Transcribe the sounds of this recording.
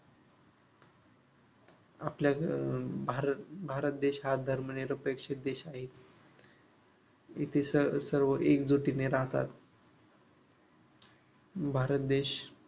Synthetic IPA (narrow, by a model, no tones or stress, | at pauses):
aplja | bʱaɾət̪̚d̪eɕɦad̪ʱəɾməneɾəpekʂit̪̚d̪eɕaɦe | it̪ʰesəsəɾʋəʔekd͡zoʈineɾaɦt̪a̰t̪ | bʱaɾət̪̚d̪eɕ